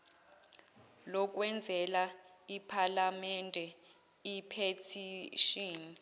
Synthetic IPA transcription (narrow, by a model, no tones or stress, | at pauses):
lɔk̬ʼwɛnd͡zʱɛlaipʰalamɛndʱɛ | ipʰetʰiʃiːni